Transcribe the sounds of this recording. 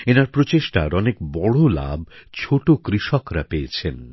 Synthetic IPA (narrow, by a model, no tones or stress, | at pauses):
enaɾpɾot͡ɕeʃʈa̰ɾɔnekbɔɽola̰bt͡ɕʰoʈokɾiʃɔkɾapejet͡ɕʰen